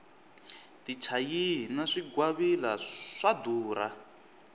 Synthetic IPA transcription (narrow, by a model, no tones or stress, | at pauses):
tit͡ʃʰajinaʂiɡwaβilaʂad̪uːɾa̰